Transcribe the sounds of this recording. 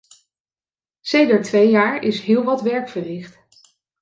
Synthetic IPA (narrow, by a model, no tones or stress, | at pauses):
sejdəɹtʋejjaːɹɪsɦɪːlˠʋɑtʋɛɹkfəɹrɪχt